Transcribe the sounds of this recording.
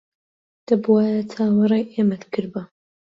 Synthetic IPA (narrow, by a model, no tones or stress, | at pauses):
d̪̥ɐbwaːjɐt̪ʰaːwɐrˤejʔeːmɐt̪kʰɨɾbɐ